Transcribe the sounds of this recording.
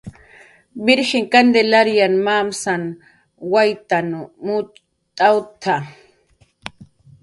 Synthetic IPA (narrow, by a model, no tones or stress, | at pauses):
bɪɾxɪŋkand̪elaɾjanmamsan | wajt̪anumu | t̪ʼawt̪ʰa